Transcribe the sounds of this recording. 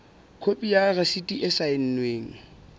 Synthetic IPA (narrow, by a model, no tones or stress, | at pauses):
kʰopʼijaresitʼiʔɪsaɪn̩nweːŋ̩